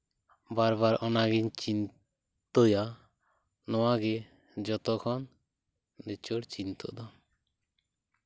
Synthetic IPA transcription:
baɾbaɾɔnaɡiɲt͡ʃin | t̪ɔja | nɔwaɡɛ | d͡ʒɔt̪ɔkʰɔn | d̪ɛt͡ʃɔɽt͡ʃint̪ɔ̰d̪ɔ

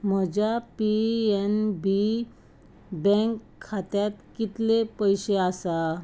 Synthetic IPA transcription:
m̤əd͡ʑjapiɛnbi | bɛ̃ŋkʰːat̪jat̪kit̪lepəjɕeasa

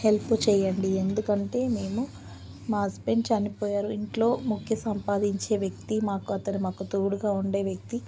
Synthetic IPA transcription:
he̞lput͡ʃɛːjɐɳɖiend̪ukɐɳʈe̞ːme̞ːmu | maːspe̞ɲt͡ʃɐnipoːjaːɾuiɳʈlo̞ːmukʰjɐsɐmpaːd̪iɲt͡ʃe̞ːʋjɐk̚t̪imaːkuɐt̪ɐnimaːkut̪oːɽuɡaːuɳɖe̞ːʋjɐk̚t̪i

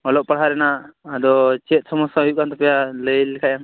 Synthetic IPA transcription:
ɔlɔʔpaɽɦaɾɛnaʔːd̪ɔt͡ʃɛt̪̚ˀsɔmɔsaɦujuʔkant̪ɔpɛjaləlɛkʰajaŋ

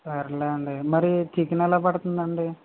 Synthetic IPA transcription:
sɐɾilɐɐɳɖemɐɾit̪ʰikːinɐlɐpɐɽut̪und̪ɐɳɖe

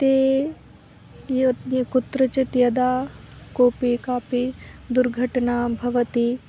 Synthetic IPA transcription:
t̪eː | jkut̪ɾɐt͡ʃɐt̪jɐd̪aːkoːpikaːpid̪uɾɡʱɐʈnaːbʱɐʋɐt̪i

